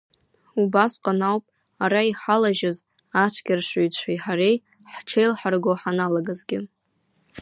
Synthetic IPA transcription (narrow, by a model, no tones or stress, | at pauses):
ubasqʼanawpʼ | aɾaiħalaʒɪz | at͡ʃʷʰkʲɪrʂujt͡ɕʷʰajħaɾej | ħʈ͡ʂʰejlħarɡoħanalaɡazɡʲɪ